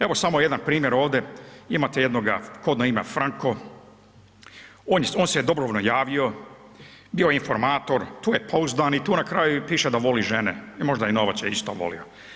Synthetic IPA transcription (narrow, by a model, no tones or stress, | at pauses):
e̞ʋo̞samo̞je̞d̪anpɾiːmjeɾo̞ːʋd̪e̞imaːt̪ejed̪noɡa̰ko̞d̪naimḛfɾaŋko̞ | oːnjoːnsed̪o̞bɾoʋnojaːʋio̞ | biojeinfo̞ɾmaːt̪o̞ɾt̪uːjepʰouzd̪aːnit̪uːnakɾaːjupiːʃed̪aʋo̞liʒenḛimo̞ʒd̪ajenoʋasjeist̪o̰ʋo̞̰lḭo̰